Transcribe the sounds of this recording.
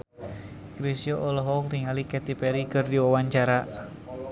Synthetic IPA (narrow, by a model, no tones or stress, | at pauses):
kɾisjɔʔɔlɔɦɔk̚t̪iŋalikɛt̪ipɛɾikɨrdiwawaɲt͡ʃaɾa